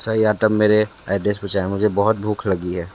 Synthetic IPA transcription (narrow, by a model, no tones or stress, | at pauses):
sɐɦiaːʈəmːeːɾeaːɖ̪eːsbət͡ʃaːemʊd͡ʒʱebɔɦʊt̪̚bʱuːkʰlɐɡiɦɛː